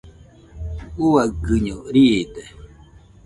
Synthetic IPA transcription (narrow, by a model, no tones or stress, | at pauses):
uwaɡɨɲɔɾid̪ɛ